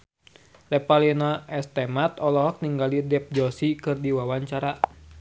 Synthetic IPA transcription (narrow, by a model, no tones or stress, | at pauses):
lɛpalinaɛst̪ɛmat̪ɔlɔɦɔk̚niŋɡalidɛp̚d͡ʒɔsikɨrdiwawaɲt͡ʃaɾa